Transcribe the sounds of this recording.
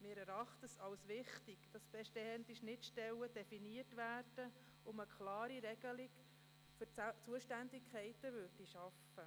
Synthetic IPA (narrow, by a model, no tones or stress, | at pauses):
mɪːɾɛɾɑχt̪əsɑlsʋɪχtiɡ̥d̥ɑsb̥ɛʃtɛhɛntiʃnɪtʃtɛləd̥ɛfiniərtʋæːrd̥ə | ʊməkʰχlɑːɾiɾɛɡ̥əliɡ | føɾt͡suəʃtændɪkχɛɪtəʋʏrdiʃɑfə